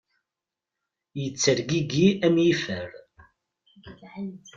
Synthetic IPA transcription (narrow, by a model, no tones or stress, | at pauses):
jət͡sːəɾɡiɡiæmjifəɾ